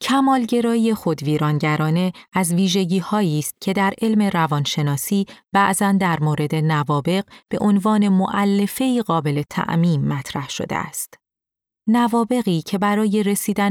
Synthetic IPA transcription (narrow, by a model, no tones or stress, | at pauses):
cʰæmɒːlɟe̞ɾɒːije̞xo̞d̪viːɾɒːnɟæɾɒːne̞æzviːʒe̞ɟiːhɒːiːst̪̚cʰe̞d̪æɾe̞lme̞ɾævɒːnʃe̞nɒːsiːb̥æʔzænd̪æɾmoːɾe̞d̪e̞nævɒːbe̞ɢb̥e̞̰ʔo̞nvɒːne̞mo̞ʔælːe̞feiːɣɒːbe̞le̞t̪ʰæ̰ʔmiːmːæt̪ʰɾæhʃo̞̰d̪ḛæ̰st̪ | nævɒːbe̞ɣiːcʰe̞bæɾɒːje̞ɾe̞siːd̪æn